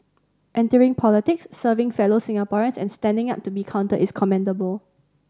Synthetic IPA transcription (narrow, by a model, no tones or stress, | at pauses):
ʔɛ̃ntəɹɪ̃ŋpʰɔlitɪksːəvɪ̃ŋfɛlosɪ̃ŋapɔɹə̃nsɛ̰̃nstɛ̃ndɪ̃ŋap̚tubikʰãʊ̃ntəʔɪskʰɔmɛ̃ndəbəl